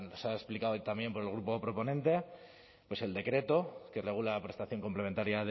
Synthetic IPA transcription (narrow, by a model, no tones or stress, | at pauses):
nosaesplikaot̪ambje̞mpo̞ɾelɣ̞ɾupo̞pɾo̞po̞nẽ̞nt̪e̞ | pwe̞se̞ld̪e̞kɾe̞t̪o̞ke̞re̞ɣ̞ulaapɾe̞st̪aθjo̞ŋkomplement̪aɾjað